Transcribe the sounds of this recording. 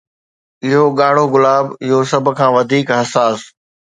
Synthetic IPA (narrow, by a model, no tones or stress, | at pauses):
ɪɦoɠaːɽ̤̃oɣʊlaːbɪɦosɐbʱʊ̆kʰãːʋɐd̪ʱiːkɦɐsaːs